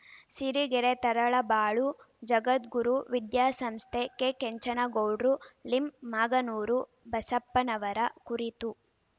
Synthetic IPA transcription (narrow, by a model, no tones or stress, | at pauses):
siɾiɡeɾet̪ɐɾɐɭɐbaːɭu | d͡ʒɐɡɐt̪ɡuɾuʋid̪jaːsɐmst̪ʰekekeɲt͡ʃɐnɐɡowɖɾulimːaːɡɐnuːɾu | bɐsɐpːɐnɐʋɐɾɐkuɾit̪u